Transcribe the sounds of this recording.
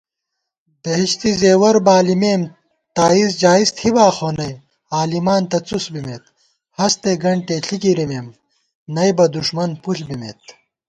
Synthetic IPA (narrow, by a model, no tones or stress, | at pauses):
d̪ɐɦiɕt̪izeːwɐɾbaːlimeːm | t̪aːizd͡ʑaːist̪hibaːxoːnɐj | aːlimaːnt̪ɐt͡susbimet̪̚ | hɐst̪eɡɐɳʈeɬʰikiɾimeːm | nɐjbɐd̪uʂmɐnpuɬbimḛːt̪